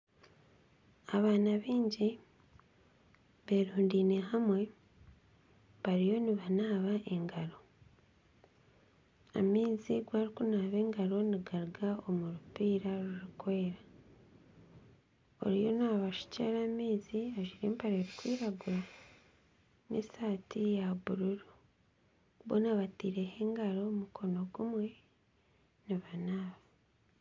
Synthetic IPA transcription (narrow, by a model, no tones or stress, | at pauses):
aβaːnaβiːɲɟi | βe̞ɾuːndiːne̞ɦamwe̞ | βaɾijo̞niβanaːβaʔe̞ŋɡaɾo̞ | a̰miːziɡwaːɾikunaːβe̞ːŋɡaɾo̞niɡaɾiɡao̞muɾupiːɾaɾuuɾukoeɾa | o̞̰ɾijo̞naβaʃi̥caɾamiːziaʒiɾeːmpaɾeɾikwiːɾaɡuɾa | nḛsaːtijaβuɾuɾu | βonaβatiːɾeheːŋɡaɾo̞mukʰo̞no̞ɡumwe̞ | niβanaːβa